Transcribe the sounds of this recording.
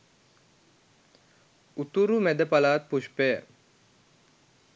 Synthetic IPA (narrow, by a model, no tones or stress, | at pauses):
ut̪uɾumæd̪əpalaːt̪̚puʃpejə